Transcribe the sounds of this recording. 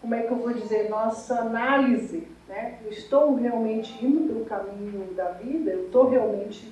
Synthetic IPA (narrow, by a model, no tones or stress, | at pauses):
kõmʊɛkɪewvowd͡ʒizeɾnɔsɐanalizɪ | nɛewɪst̪owheawmẽnt͡ʃɪĩmʊʊd̪ʊ̃kamĩɲʊd̪ɐvid̪ɐewɪst̪owɦeawmẽnt͡ʃɪ